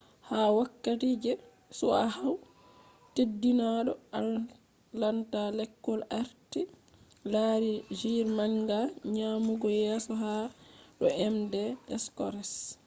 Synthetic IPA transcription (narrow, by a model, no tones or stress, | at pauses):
hawakːatiːd͡ʒɛ | sɔahaw | tedːinaɗɔal | lantalɛkːɔlaɾti | laɾid͡ʒiɾmaŋɡaɲaːmuɡɔjɛːsɔɦaɗɔɛmdɛɛskɔɾɛs